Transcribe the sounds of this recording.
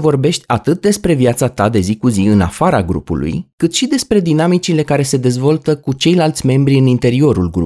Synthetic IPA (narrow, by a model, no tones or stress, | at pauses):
vo̞rbe̞ʃt̪ʲat̪ɨt̪̚d̪e̞spɾe̞vjat̪sat̪ad̪e̞zikuziɨna̰faɾaɡɾṵpṵlṵjkɨt̪ʃid̪e̞spɾe̞d̪inamit͡ʃile̞kaɾe̞se̞d̪e̞zvo̞lt̪əkut͡ʃe̞jlalt̪sʲme̞mbɾiɨnint̪e̞ɾio̞ɾulɡɾṵ